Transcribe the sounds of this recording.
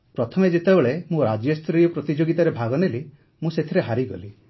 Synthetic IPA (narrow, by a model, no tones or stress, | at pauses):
pɾɔt̪ʰɔmed͡ʒet̪ebeɭemũɾad͡ʒjɔst̪ɾijɔpɾɔt̪id͡ʒoɡit̪aɾebʱaɡɔneli | mũset̪ʰiɾeɦaɾiɡɔ̰li